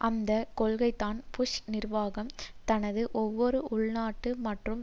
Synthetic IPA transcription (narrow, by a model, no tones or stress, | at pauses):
ʔɐnd̪ɐkɔɭɣɐɪt̪ːaːnpʊʂnɪrʋaːɣɐmt̪ɐnɐðɯʔɔʋːɔɾɯʔʊɭnaːʈːɯmɐʈrɯm